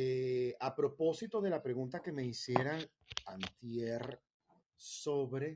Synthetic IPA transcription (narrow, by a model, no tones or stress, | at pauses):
eapɾo̞po̞sit̪o̞ðe̞lapɾe̞ɣunt̪ake̞me̞isjeɾaŋ | ant̪jer | so̞βɾe̞